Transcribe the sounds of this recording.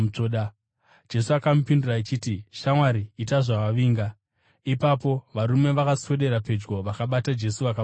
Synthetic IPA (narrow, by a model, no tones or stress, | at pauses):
t͡ʂoɗa | d͡ʒe̞suakamupindurait͡ʃitiʃamwaɾiːt̬aʐaʋaʋiːŋɡa | ipapo̞ʋaɾume̞ʋakasweɗe̞ɾape̞d͡ʒɡo̞ʋakaɓatad͡ʒe̞suʋaka